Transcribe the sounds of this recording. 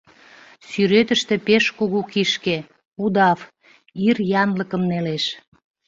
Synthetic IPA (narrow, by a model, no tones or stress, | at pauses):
syɾøt̪əʃt̪ĕpeʃkuɣukiʃke | ud̪ɑf | irjɑnləkəmneleʃ